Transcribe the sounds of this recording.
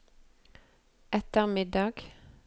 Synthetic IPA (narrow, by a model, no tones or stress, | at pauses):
ʔɛt̪əʁmɪd̪ɑːɡ̥